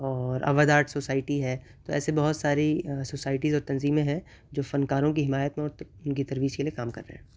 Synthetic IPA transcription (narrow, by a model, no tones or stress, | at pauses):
ɔːɾɐ̰ʋad̪aːɾʈsoːsaːɪʈiɦɛː | t̪oɛ̰ːsebɐɦʊt̪saːɾisoːsaːɪʈizɔːɾt̪ɐnziːmẽɦɛ̃ | d͡ʒoːfɐnkaːɾõkiɦɪmaːjət̪mẽɔːɾʊnkit̪ɐɾʋiːd͡ʒkelijekaːmkɐ̰ɾːḛɦɛ̰̃ː